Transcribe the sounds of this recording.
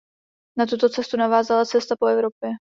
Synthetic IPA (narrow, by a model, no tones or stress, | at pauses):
nat̪ut̪o̞t͡sɛst̪unavaːzalat͡sɛst̪apo̞ɛvɾo̞pjɛ